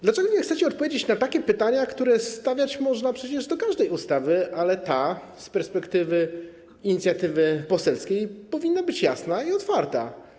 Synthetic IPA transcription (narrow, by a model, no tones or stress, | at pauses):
d̪lat͡ʂɛɡɔɲʲɛxt̪sɛt͡ɕɛɔt̪̚pɔvʲjed͡ʑet͡ɕnat̪akʲɛpɘt̪aɲakt̪uɾɛst̪avʲjat͡ɕmɔʐnapʂɛt͡ɕɛʐd̪ɔkaʐd̪ɛjust̪avɘʔalɛt̪a | spɛɾspɛkt̪ɘvɘ | iɲit̪sʲjat̪ɘvɘpɔsɛlskʲejpɔvʲinːabɘt͡ɕjasnaiɔt̪faɾt̪a̰